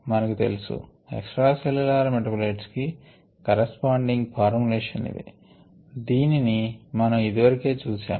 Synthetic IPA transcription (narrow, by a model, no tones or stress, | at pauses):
mɐnɐkut̪e̞̰lusṵ | ḛksʈɾaːselulaːɾmeʈɾɐpuleːʈski | kɐɾespaːɳɖiŋɡpʰaːɾmuleːʂɐnḭd̪ḭ | d̪iːninimɐnɐmid̪iʋɐɾikeːt͡ʃuːsa̰ːm